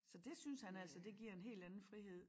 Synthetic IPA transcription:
sɒ̽d̥e̝synshænæl̰sɒd̥e̝ɡ̥iɐ̰e̝nɦe̝̰ːld̥ænn̩fʁiɦe̝ð̞̰ˠ

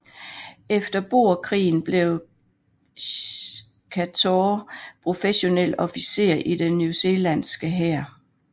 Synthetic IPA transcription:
efd̥ɐb̥o̝ɐ̰kʰʁḭːn̩b̥le̝ʊ | kʰæt͡sʰopʰʁo̝feɕo̝nel̰ɒ̽fise̝̰ːɐ̰ʔid̥enjuse̝ːlænsɡ̥əɦæɐ̰

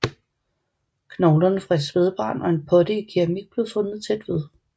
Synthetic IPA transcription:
kʰnɒʊlɐnəfʁae̝d̥sʋeð̞ˠb̥ʁɑ̈ːnɒ̽e̝npʰɒ̽d̥əikʰiʁæmiɡ̥̚b̥le̝ʊfɔ̽nð̞̩ˠt͡sʰed̥ʋe̝ð̞ˠ

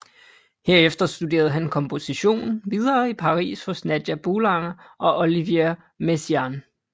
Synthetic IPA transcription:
he̝ɐ̰efd̥ɐsd̥ud̥e̝̰ːɐðˠɦænkʰɒ̽mpʰo̝siɕo̝̰ːnn̩ʋið̞ˠɐːipʰɑ̈ʁḭːsfɒ̽snæd̥jæb̥olɑnʔɒ̽ʔoliʋe | mesiɑn

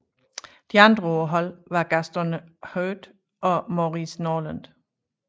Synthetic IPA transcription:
d̥iɑ̈nd̥ʁəɔɐɦɒ̽l̰ʋɑ̈ɡ̥æsd̥ɐnəhøːd̥ | ɒ̽moʁisnɒːlænd̥

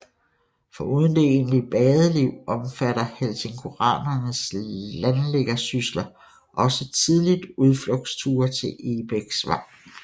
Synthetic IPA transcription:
fɒ̽uːð̞ˠənd̥e̝e̝̰nli̥b̥ɛːð̞ˠəliʊ̰ɒ̽mfæɾɐhelse̝ŋkʰo̝ʁɑ̰̈ːnɐnəslænleɡ̥ɐsyslɐ | ʔɒ̽sət͡sʰið̞ˠlid̥uð̞ˠfloɡ̥st͡sʰuːɐt͡sʰe̝lʔe̝b̥eɡ̥sʋɑ̰̈

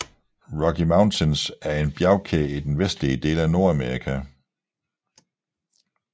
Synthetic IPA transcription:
ʁɒkʰimäʊnt͡sʰensæɐe̝nb̥jaʊkʰeid̥enʋesd̥liəd̥e̝̰ːlæno̝ɐ̰æmeɐikʰæ

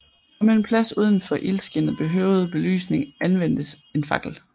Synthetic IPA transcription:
ɒmeenpʰlæsuːð̞ˠən̩fɒ̽ʔelsɡ̥enð̩ˠb̥e̝ɦøʊð̞̩ˠb̥e̝ly̰ːsne̝ŋænʋen̰d̥əs | e̝nfɑ̈ɡ̥l̩

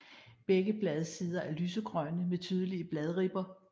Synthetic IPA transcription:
b̥eɡ̥əb̥lɛð̞ˠsiːð̞ˠɐʔæɐlyːsəɡ̥ʁœnəmet͡sʰyːð̞ˠəliəb̥lɛð̞ˠʁib̥ɐ

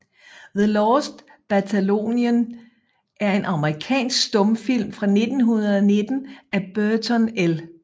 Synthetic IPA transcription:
ðəlɒːsd̥ | b̥æt͡sʰælo̝̰ːniən | ʔæɐe̝nʔɑ̈məʁikʰɛ̰ːnsɡ̥sd̥ɔ̽mfil̰mfʁɑ̈ne̝d̥n̩ɦunɐðˠɒne̝d̥n̩ʔæb̥øɐt͡sʰɒnel

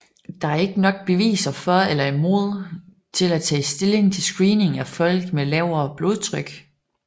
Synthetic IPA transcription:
d̥ɑ̈æɐe̝ɡ̥ənɒ̽ɡ̥̚b̥e̝ʋḭːsɐfɒelɐimo̝ðˠ | t͡sʰe̝læt͡sʰɛ̰ːisd̥e̝le̝ŋt͡sʰe̝lsɡ̥ʁiːne̝ŋæfɒ̽l̰ɡ̥melɛʊ̰ɐːb̥lo̝ð̞ˠt͡sʰʁœɡ̥

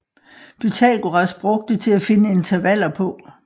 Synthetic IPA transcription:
b̥yt͡sʰɛ̰ɡ̥oʁɑsb̥ʁɔ̽ɡ̥̚d̥ət͡sʰe̝læfe̝nəe̝nt͡sʰɐʋæl̰ɐpʰɔ̽

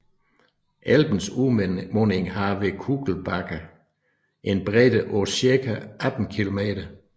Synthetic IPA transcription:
ʔælb̥n̩sumoneŋɦɑ̈ʋe̝kʰuːɡ̥l̩b̥ɑ̈ɡ̥ɐ | ʔe̝nb̥ʁɛd̥əʔɔsiɐkʰæʔæd̥n̩kʰilo̝me̝̰ːɾ̥ɐ

